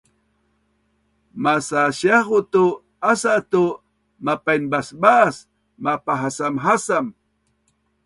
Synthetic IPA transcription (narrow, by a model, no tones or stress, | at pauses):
masaʃaχʊt̪u | asat̪u | mapajnbasbas | mapaɦasamɦasam